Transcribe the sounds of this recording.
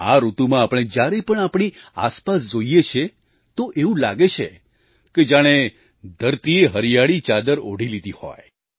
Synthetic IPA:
aɾut̪umãapɽ̃ed͡ʒjaɾepəɳ̃apɽ̃ia̰spasd͡ʒoijet͡ʃʰe | t̪oʔeũlaɡet͡ʃʰe | ked͡ʒaɽ̃e | d̪ʱəɾt̪ieɦəɾijaɭit͡ʃad̪əɾo̰ɽ̤ilid̪ihɔ̰j

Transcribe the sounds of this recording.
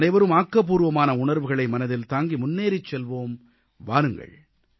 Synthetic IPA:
nɐɪʋɐɾɯmaːkːɐp̬ːuːɾɯʋɐmaːnɐʊɳɐɾʋɯɣɐɭɐɪmɐnɐðɪlt̪aːŋɡimʊnːeːɾɪt͡ʃːɛlʋoːm | ʋa̰ːɾɯŋɡɐ̰ɭ

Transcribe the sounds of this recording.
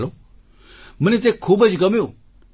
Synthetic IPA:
loː | mənẽt̪̬eːkʰːuːbəd͡ʒkɐmjoː

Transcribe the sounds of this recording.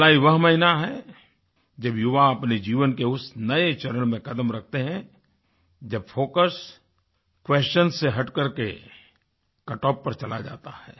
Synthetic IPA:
laːiʋɐɦmɐɦɪnaɦɛ | d͡ʒɐbjʊʋaɐpned͡ʒiːʋənkeʊsnɐet͡ʃɐɾəlmẽkɐd̪əmɾɐk̚ʰt̪eɦɛ̃ | d͡ʒɐb̚foːkəs | kwɛːst͡ʃənseɦɐʈkəɾkḛ | kɐʈɔːpːɐɾt͡ʃɐla̰d͡ʒa̰ːt̪ahɛː

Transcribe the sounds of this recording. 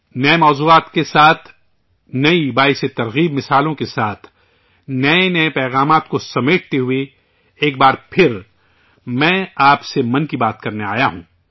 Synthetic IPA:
nɐemɔːzuːaːt̪kesaːt̪ʰ | nɐibaːiset̪ɐɾɣiːbmɪsaːlõkesaːt̪ʰ | nɐenɐepɛːɣaːmaːt̪kosɐmeːʈ̚ʰt̪eɦʊe | eːk̚baːɾpʰɪɾ | mɛ̃ːaːpsemɐ̃nkibaːt̪̚kɐɾnea̰ːjaɦũː

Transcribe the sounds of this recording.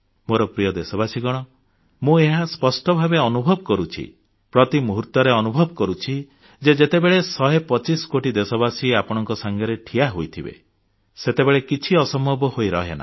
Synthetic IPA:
moɾɔpɾijɔd̪esɔbasiɡɔɽ̃ɔ | mũeɦaspɔsʈɔbʱabeɔnubʱɔbɔkɔɾut͡ʃʰḭ | pɾɔt̪imuɦuɾt̪ɔɾeɔnubʱɔbɔkɔɾut͡ʃʰi | d͡ʒed͡ʒet̪ebeɭesɔɦepɔt͡ʃiskoʈid̪esɔbasiapɔɽ̃ɔŋkɔsaŋɡʱjɔɾeʈʰiaɦojt̪ʰibḛ | set̪ebeɭekit͡ʃʰiɔsɔmɔbɔhojɾɔɦena̰

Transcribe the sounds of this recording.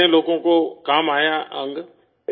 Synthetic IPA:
ẽloːkõːkoːkamaːjaã̰ŋɡə

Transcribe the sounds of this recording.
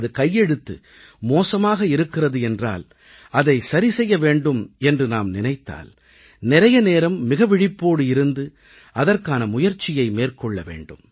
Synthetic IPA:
ðɯkɐjːɛɽɯt̪ːɯ̰ | moːsɐmaːɣɐɪɾɯkːɪrɐðɯɛndra̰ːl | ɐðɐɪsɐɾisɛjːɐʋeːɳɖɯmɛndrɯnaːmnɪnɐɪt̪ːa̰ːl | nɪɾɐjɐneːɾɐmːɪɣɐʋɪɽɪpːoːɽɯɪɾɯnd̪ɯ | ɐðɐrkaːnɐmʊjɐɾt͡ʃːɪjɐɪmeːrkɔɭːɐʋḛːɳɖɯm

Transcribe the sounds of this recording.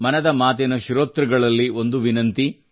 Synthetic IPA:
mɐnɐd̪ɐmaːt̪enɐʃiɾoːt̪ɾɐɡɐɭɐlːio̞nd̪uʋinɐnt̪i

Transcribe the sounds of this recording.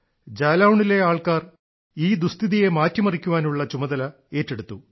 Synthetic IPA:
d͡ʑaːlaːwuɳɖile̞aːɭkaːr | iːd̪ust̪iðijemaːtːjɐmɐrikʲːuʋaːnuɭːɐt͡ɕumɐðɐlɐ | e̞ːtːeɽut̪ːu

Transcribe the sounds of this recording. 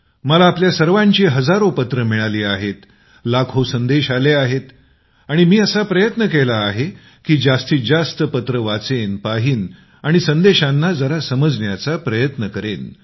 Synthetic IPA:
məlaːpljasəɾʋãɲt͡ɕiɦəd͡zaɾopət̪ɾəmiɭaliːaɦet̪ | lakʰosənd̪eɕaleaɦet̪ | aɽ̃imiːəsapɾəjət̪nəkelaːɦe | kiːd͡zast̪iːd͡zast̪əpət̪ɾəʋat͡senpaɦiːn | aɽ̃isənd̪eɕanːad͡zəɾasəməd͡zɳjat͡sapɾəjət̪nəkəɾḛn

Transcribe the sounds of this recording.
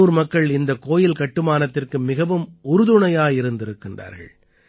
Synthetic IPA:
uːɾmɐkːɐɭɪnd̪ɐkːoːjɪlkɐʈːɯmaːnɐt̪ːɪrkɯmɪɣɐʋɯmʊɾɯðʊɳɐjaːjɪɾɯnd̪ɪɾɯkːɪndra̰ːɾɣɐ̰ɭ

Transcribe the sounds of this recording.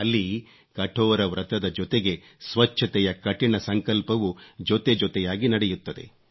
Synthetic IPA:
ɐlːi | kɐʈʰɔːɾɐʋɾɐt̪ɐd̪ɐd͡ʒɔt̪eɡe̞ | sʋɐt͡ʃʰːɐt̪ɛjɐkɐʈiɳɐsɐŋkɐlpɐʋud͡ʒɔt̪e̞d͡ʒɔt̪ɛjaːɡinɐɽɛjut̪ːɐd̪e̞̰

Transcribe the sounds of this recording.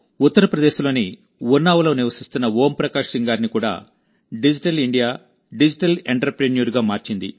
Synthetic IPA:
ut̪ːɐɾɐpɾɐd̪e̞ːʃulo̞ːni | wunːaːʋɐlo̞ːniʋɐsist̪unːɐwo̞ːmpɾɐkaːʂiŋɡaːɾnikuːɽa̰ː | ɖid͡ʒiʈɐliɳɖijaː | ɖid͡ʒiʈɐlḛɳʈɐɾɐpɾenijuɾuɡaːmaːɾt͡ʃind̪ḭ

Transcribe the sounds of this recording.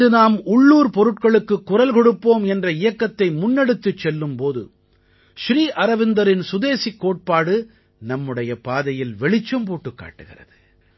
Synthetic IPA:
ðɯnaːmʊɭːuːɾpɔɾɯʈ̚kɐɭɯkːɯkːʊrɐlkɔɽɯpːoːmɛndrɐɪjɐkːɐt̪ːɐɪmʊnːɛɽɯt̪ːɯt͡ʃːɛlːɯmpoːðɯ̰ | ʃɾiːʔɐɾɐʋɪnd̪ɐɾɪnsʊðeːsikːoːʈ̚paːɽɯ | nɐmːɯɽɐjɐpaːðɐjɪlʋɛɭɪt͡ʃːɐmpoːʈːɯkːa̰ːʈːɯɣɪ̰rɐ̰ðɯ

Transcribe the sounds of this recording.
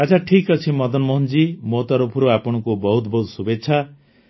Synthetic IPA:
at͡ʃʰaʈʰikʌt͡ʃʰimʌd̪ɔnmɔɦund͡ʒimot̪ɔɾopʰuɾuapɔɽ̃ɔkubɔɦut̪bɔɦut̪subetːt͡ʃʰa

